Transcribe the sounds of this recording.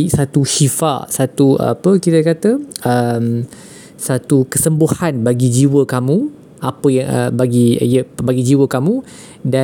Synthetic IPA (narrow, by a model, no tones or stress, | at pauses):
isat̪uʃifa̰ʔsat̪uəa̰pəkit̪əkat̪əəm | sat̪ukəsəmbuhanbaɡid͡ʒiwəkamũ | apəjaŋə̰baɡiijəbaɡid͡ʒiwəkamũ | da